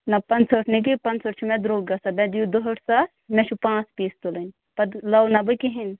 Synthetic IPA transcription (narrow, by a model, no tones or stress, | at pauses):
nɐpɐnt͡səʈʰnik̬ipɐnt͡sʰəʈt͡ʃʰumɛ̃d̪ɾoːɡɐsabɛ̃d̪jud̪oɦəʈʰsa | mɛt͡ʃʰupãːt͡spiːst̪ulənʲ | pɐd̪lɐwnɐbɨkiɦin